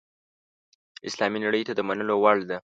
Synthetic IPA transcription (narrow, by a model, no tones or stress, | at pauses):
ɪslɑminaɽəjt̪ad̪əmanəlowaɭd̪a